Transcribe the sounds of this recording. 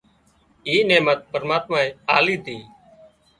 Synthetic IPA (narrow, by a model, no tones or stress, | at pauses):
iːneːmət̪̚pəɾəmaːt̪maːeːaːliːt̪ʰiː